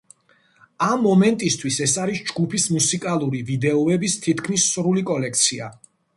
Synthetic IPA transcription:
amːɔmɛnt̪ʼist̪ʰwisɛsaɾisd͡ʒɡupʰismusikʼalˠuɾivid̪ɛɔɛbist̪ʰit̪̚ʰkʰmisːɾulikʼɔlɛkʰt̪sʰia̰

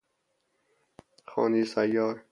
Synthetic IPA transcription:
xɔ̰ːniːsajɔːɾ

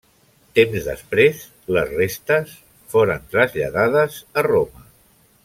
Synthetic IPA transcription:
t̪emzðə̰spɾes | ləzrest̪əs | foɾənt̪ɾəzʎə̰ðað̞əzəromə

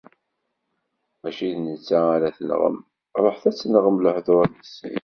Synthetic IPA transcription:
mæʃiðnət͡sːaaɾæθən̰ʁə̰m | ɾˤoħθæt͡sːənʁəmləħðoɾænisḭ

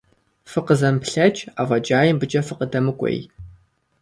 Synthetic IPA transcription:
fɨqəzɐmpɬɐt͡ʃʼaːvɐd͡ʒʼaːjɪmbɨd͡ʒʼɐfɨqədɐmɨkʷʼḛj

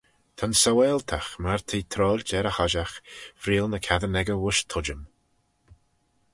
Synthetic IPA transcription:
t̪ʰansawɛlˠt̪ʰaxmaɹt̪ʰiːt̪ʰɾɔːlʲd͡ʒɛɾəhɔʒaxfɾiːlnəkʰaðənɛɡəwʊʃt̪ʰʊd͡ʒəm

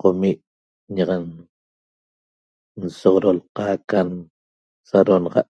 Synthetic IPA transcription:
qomiʔ | ɲɑʁɑn | n̩soʁoɾolqɑːkan | saɾonɑʁɑ̰ʔ

